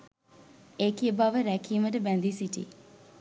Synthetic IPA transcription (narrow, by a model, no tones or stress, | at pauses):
ekiebaʋəɾɛkʰiːməʈəbɛ̃nd̪isiʈḭ